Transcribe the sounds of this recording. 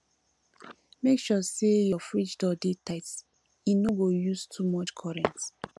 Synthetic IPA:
mekʃɔsejɔfɹit͡ʃdɔdetaɪts | inoɡojustʰumɔt͡ʃkʰɔɹɛ̃nt

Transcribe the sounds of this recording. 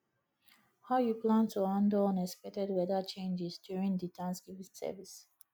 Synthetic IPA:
haʊjuplãntuãndõnɛspɛtɛdwɛðət͡ʃẽnd͡ʒizdjuɹĩŋd̪itʰãnsɡivisɛ̰vis

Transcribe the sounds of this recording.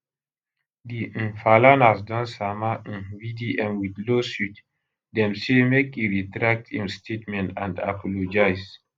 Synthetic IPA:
dĩfalanasdɔ̃nsamãvidiʔɛ̃mwid̪losut | dɛ̃msemekiɹitɾak̚tĩmstʰetmɛ̃ntã̰nda̰pʰɔlod͡ʒaɪs

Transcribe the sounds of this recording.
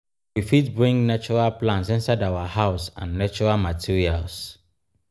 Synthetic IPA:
wifitbɹĩŋnat͡ʃuɹalplãnsɪ̃nsadawahaʊsã̰nːat͡ʃuɹalmatʰiɹials

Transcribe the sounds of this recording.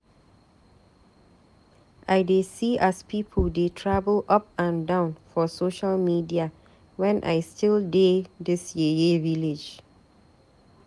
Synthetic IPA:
ʔajdesiʔaspipʰəldetʰɹabəlʔap̚ãndãʊ̃nfɔsoʃalmidia | wɛ̃nʔa̰jstʰildedɪsjejeviled͡ʒ

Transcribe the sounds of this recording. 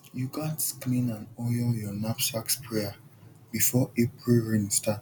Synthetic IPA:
juɡatsklĩnãnɔjɔjɔnapsakspʰɹɛa | b̥ifɔepɹilɹĩnsta

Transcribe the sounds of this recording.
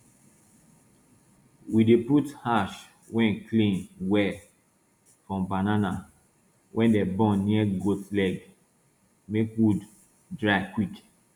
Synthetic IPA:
wideputhaʃ | wɛ̃nklĩnwɛ | fɹɔ̃mbanana | wʔɛ̃ndɛbɔ̃nniɛɡotlɛɡ | mekwud | dɹakwik

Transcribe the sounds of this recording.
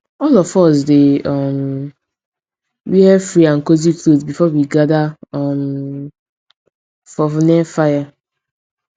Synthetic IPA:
ɔlɔfɔsdeɔm | wiɛfɹiãnkoziklotbifɔwiɡadaɔm | fɔfnɛfaja

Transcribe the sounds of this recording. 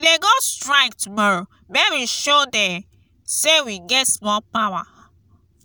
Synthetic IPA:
deɡɔstɹaɪktumɔɹo | bewiʃodɛ̃m | sewiɡɛtmɔpawa̰

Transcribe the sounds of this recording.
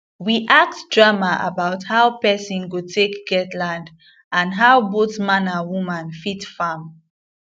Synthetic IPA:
wiʔak̚tdɹamaʔa̰baʊthaʊpɛsĩnɡutʰekɡ̥ɛtlãnd | ãnɦaʊboθmãnãwumãnfitfam

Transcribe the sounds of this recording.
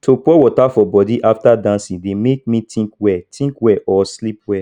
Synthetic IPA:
topɔwɔtafɔbɔdiʔaftadãnsĩdemek̚mĩtĩŋkwɛtĩkwɛʔɔslip̚wɛ

